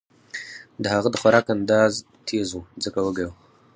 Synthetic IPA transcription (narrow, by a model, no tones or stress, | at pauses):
dahaɣədxʷaɾakandaz | tʰijzud͡zakawaɡaw